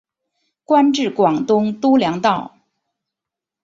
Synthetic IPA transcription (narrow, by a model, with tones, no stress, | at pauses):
kwa˥nʈ͡ʂɻ̩˥˩kwɑ˨˩ŋt̪ʊ˥ŋt̪u˥ljɑ˧˥ŋt̪ɑ˥˩ʊ